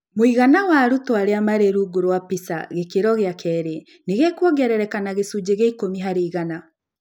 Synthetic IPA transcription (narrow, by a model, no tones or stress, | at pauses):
moiɣanawaɾutoaɾeamaɾeɾuɡoɾowapisa̰ɣekeɾɔɣeakʰɛɾe | neɣekwɔɡɛɾɛɾɛkanaɣesud͡ʑeɣeikomiɦaɾeiɣana